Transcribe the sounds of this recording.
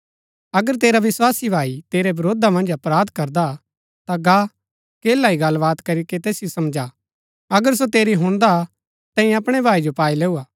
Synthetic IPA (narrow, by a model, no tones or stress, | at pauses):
ɐɡəɾt̪eːɾaʋɪswaːsibʱaːit̪eːɾebɐɾoːd̪amɐ̃nd͡ʒɐpɾaːd̪kɐɾd̪a | t̪aɡa | keːlaiɡɐlbaːt̪kɐɾiket̪ɛːsɪjosɐmd͡ʒa | ɐɡəɾs̬ot̪eːɾiɦʊ̃ɽ̃d̪a | t̪ɛ̃ːĩɐpɽ̃ebʱaːid͡ʒopaːileːuaː